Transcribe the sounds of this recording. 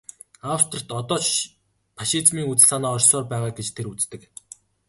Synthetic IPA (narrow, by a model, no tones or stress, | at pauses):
awst̪ʰrə̆rt̪ɔt̪ɔːt͡ɕ | pʰaʃit͡smiːŋut͡s̆ɮaːnaːɔrʲsɔːrpæːʁaːɡet͡ɕt̪ʰeɾut͡st̪ɘ̆k